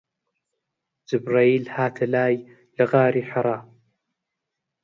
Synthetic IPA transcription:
d͡ʒɨbraːiːlhaːtʰɐlaːj | lɨʁaːɾiːħaɾˤɑː

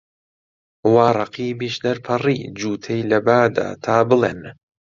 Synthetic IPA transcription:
waːɾˤɑqʰiːbiːʃd̪ɐɾpʰɐriːd͡ʒuːt̪ʰejlɐbaːd̪a̰ːt̪ʰaːbɨlˠḛːn

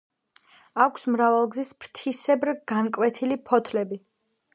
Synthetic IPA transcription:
akʷʰsmɾavalˠɡzispɾt̪ʰisɛbɾɡ̥ankʼwɛt̪ʰilipʰɔt̪ʰlɛbi

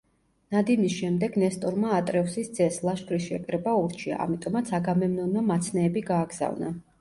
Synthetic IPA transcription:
nad̪inisʃɛmd̪ɛɡnɛst̪ʼɔɾmaːt̪ʼɾɛfsisd̪z̥ɛslˠaʃkʰɾisʃɛkʼɾɛbauɾt͡ʃʰia̰ʔa̰mit̪ʼɔmat̪sʰaɡamɛmnɔnamat̪sʰnɛːbiɡaːɡz̥a̰vna̰

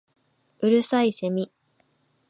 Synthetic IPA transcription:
ɯ̟ɾɯ̟saisemʲi

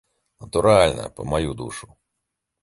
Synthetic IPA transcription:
nət̪uɾalʲnə̰pɐmajud̪ṵʂʊ

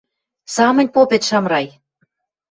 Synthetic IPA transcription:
sɑmɤ̆nʲpopet̪ʃɑmrɑj

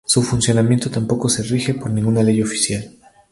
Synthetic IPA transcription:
sufunsjo̞namjent̪o̞t̪ampo̞ko̞se̞rixe̞po̞ɾnĩŋɡunale̞jo̞fi̥sjal

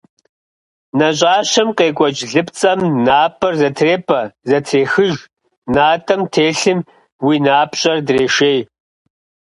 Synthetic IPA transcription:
nɐɕʼaːɕɐmqeːkʷʼɔt͡ʃʼɮɨpʰt͡sʼɐmnaːpʰɐrzɐtʰreːpʰɐzɐtʰeːxɨʒ | naːtʰʼɐmtʰeːɬɨm | wiːnaːpʰɕʼɐrdreːʃeːj

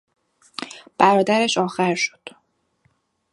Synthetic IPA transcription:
b̥æɾɒːd̪æɾeʃɒːxæɾʃo̥d̪̥

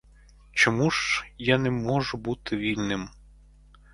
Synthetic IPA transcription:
t͡ʃɔmuʒjanɛmɔʒʊbut̪ɪʋʲilʲnɪm

